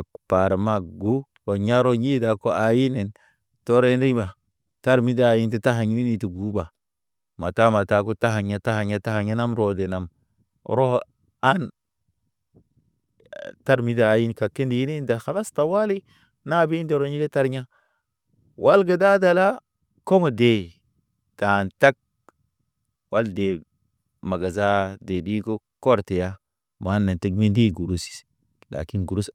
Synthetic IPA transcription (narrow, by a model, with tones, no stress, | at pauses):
a˨pa˨ɾma˦ɡu˦ | wo˨ɲa˦ɾo˦ɲi˦da˨ko˦a˨ji˦ne˨n | to˦ɾe˦ni˦ba˨ | ta˦ɾmi˦daː˦˨ji˦nti˦ta˦ɦa˨ɲi˦ni˦ni˨ti˨ɡu˦ba˨ | ma˨ta˦ma˨ta˨ko˦ta˦ɦa˨ɲa˦ta˦ha˨ɲa˦ta˦ha˨ɲa˦na˦mɾo˨de˨na˨m | ɾo˦ | a˦n | ta˦ɾmi˦daː˨˦ji˦nka˨kːe˦ndi˨ji˦ne˦da˨xa˨la˦sta˨wa˦li˦ | na˦˨bi˦nde˨ɾo˦ɲi˦le˦ta˦ɾɲa˦ | wʔa˦lɡa˨da˦da˨la˦ | ko˦ŋo˨de˨ | d̥a˨nta˦k̚ | wa˦lde˨ | ma˨ɡa˨za˦de˨di˦ɡo˦ | ko˦ɾte˨ja˦ | ma˨˦nːa˨nti˦ɡ̚mi˦ndi˦˨ɡu˨ɾu˦si̥˨˦ | la̰˨ki˦nɡu˨ɾu˦s